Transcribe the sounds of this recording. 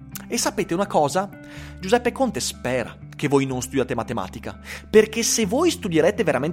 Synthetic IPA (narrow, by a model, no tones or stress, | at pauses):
esːapeːt̪eunakɔːza | d͡ʒuzɛpːekont̪espɛːɾa̰ | kevoːjnonst̪ud̪jaːt̪emat̪ema̰ːt̪ika̰perk̟esevojst̪ud̪jeɾeːt̪eveɾamen